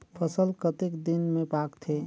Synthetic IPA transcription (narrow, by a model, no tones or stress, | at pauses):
pʰəsəlkət̪ekd̪inmẽpaːkt̪ʰe